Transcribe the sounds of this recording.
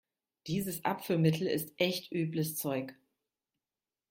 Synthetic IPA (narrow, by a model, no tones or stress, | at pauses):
d̥iːzəsʔa̰pfəlmɪtʰl̩ɪ̰stʔɛçtʔyːbləst͡sɔʏk